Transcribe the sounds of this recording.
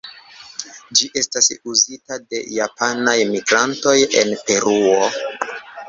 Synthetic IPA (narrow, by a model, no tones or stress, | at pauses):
d͡ʒiʔe̞stasuzitade̞̰japanajmiɡɾanto̞je̞̰npe̞ɾuo̞